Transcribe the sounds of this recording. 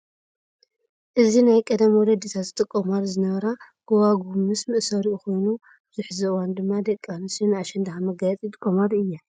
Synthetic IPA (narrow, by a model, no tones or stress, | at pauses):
ʔɨzinajkʼɐd̪ɐmwɔd̪ɐd̪it̪ʰat̪ɨt̪ʼɨkʼːomaɾzɨnɐβɐɾa | ɡ̥owaɡumɨsmɨʔsɐɾiʔuko̞jnu | bɨzuħzɨwand̪ɨmːad̪ɐkʼːanɨsɨnaʃɛnd̪ɐxamɐɡajɛt͡sʼit̪ʼkʼːomad̪ɨjːa